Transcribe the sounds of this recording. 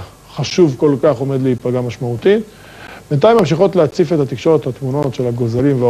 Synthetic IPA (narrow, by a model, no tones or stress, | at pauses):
χaʃuvkolkaχo̞me̞d̪leipaɡamaʃmaut̪it̪ | b̥ent̪ajmːamʃ̬iχo̞t̪leat͡sifet̪at̪ikʃo̞ʁet̪hat̪muno̞tʃe̞laɡo̞zalimvea